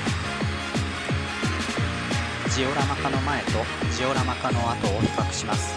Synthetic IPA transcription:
d͡ʑio̞ɾamakano̞mae̞t̪o̞ | d͡ʑio̞ɾamakano̞at̪o̞ːɸi̥kakɯ̟̥ɕimasɨ̥

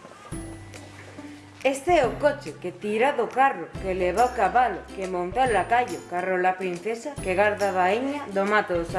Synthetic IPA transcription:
est̪eɛʊkot͡ʃeket̪iɾaðokarʊkeleβawkaβalʊ̰kemõnt̪alakaʎokarolapɾin̟θesakeɣaɾðaβaiɲaðomat̪oðosa

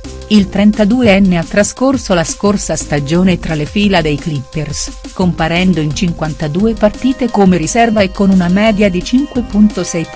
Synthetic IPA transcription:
ilt̪ɾɛnt̪ad̪uːeɛnːeat̪ːɾaskorsolaskorsast̪ad͡ʒoːnet̪ɾalefiːlad̪ejklipːers | kompaɾɛnd̪oint͡ʃiŋkwant̪ad̪uːepart̪iːt̪ekomeɾisɛrvaekːonunamɛːd̪jad̪it͡ʃiŋkwepunt̪osɛj

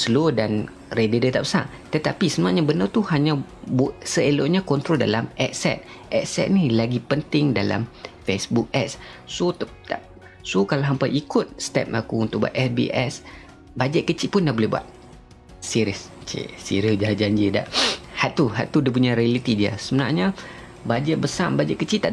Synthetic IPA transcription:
səlodan | redədət̪apə̥sa̰ʔ | t̪ət̪apisənũaɲabənət̪uhaɲãbsəeloʔɲãkɔnt̪ɾolda̰lamʔɛksɛ̰t̪̚ | ʔɛksɛ̰t̪̚nilaɡipənt̪ɪŋdala̰mfesbuk̚ɛkssot̪t̪a̰ | sokalaɦampaʔikʊt̪̚st̪ɛ̰p̚akuunt̪ʊʔ̚bua̰ʔ̪ɛsbḭʔɛs | bad͡ʒɛʔ̪̚kət͡ʃiʔpʊndabolɛhbua̰t̪̚ | siɾiəst͡ʃḭsḭɾəd͡ʒaɦd͡ʒaɲd͡ʒida̰ʔhaʔt̪uɦa̰ʔt̪udip̬uɲaɾialit̪idiə̰səmənaɲã | bad͡ʒɛʔ̚bəsambad͡ʒɛʔkət͡ʃiʔt̪aʔ

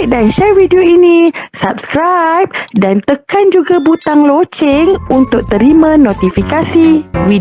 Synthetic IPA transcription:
k̚danʃɛrvidioinĩsap̚skɾajp̚dant̪əkand͡ʒuɡabut̪aŋlot͡ʃɛŋunt̪ʊk̚t̪əɾimãnõt̪ifikasivid

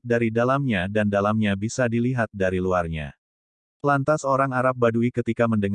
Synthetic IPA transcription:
daɾidalamɲadandalamɲabisadiliɦat̪̚daɾiluarɲa̰ | plant̪asoɾaŋaɾap̚baduikət̪ikaməndəŋ

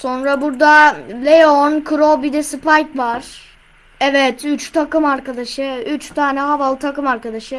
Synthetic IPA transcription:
so̞nɾabuɾd̪alʲejonkʰɯɾobid̪ɛsɯpʰajkvaɾ̥ | ɛvɛt̪yt͡ʃt̪ʰakɯmaɾkad̪aʃɯyt͡ʃt̪ʰaːnɛɦavalˠt̪ʰakɯmaɾkad̪aʃɯ

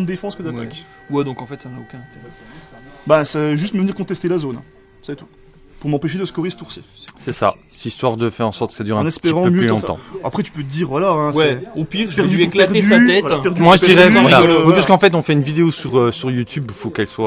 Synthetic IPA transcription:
d̪d̪efɑ̃skəd̪at̪ak | wɛd̪ɔ̃kɑ̃fɛt̪sanaokʲɛ̃nɛ̃t̪eʁɛ | bɛsaʒyst̪məvəniʁkɔ̃t̪ɛst̪elazonɛ̰̃ | sɛt̪u | puʁmɑ̃peʃ̬ed̪əskɔʁest̪uʁsje | sɛsa̰ | sist̪waʁd̪əfɛʁɑ̃sɔʁt̪̚kəsad̪yʁɛ̃nɛspeʁɑ̃pømjøylɔ̃tt̪ɑ̰̃a̰pχɛt̪y̥pøt̪əd̪iːʁvwalaɛ̃wɛɛopiʁpɛʁd̪yekɛʁd̪syat̪ɛvwaapɛʁdmwaʒəd̪iʁɛalawɛpaskəɑ̃fɛt̪ɔ̃fɛynvid̪eosyʁøsyʁjut̪ybfokɛlswa

